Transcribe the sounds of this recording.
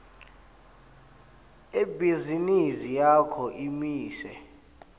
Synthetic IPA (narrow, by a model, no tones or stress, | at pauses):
ebʱizinisijakʰɔʔimiːsɛ̰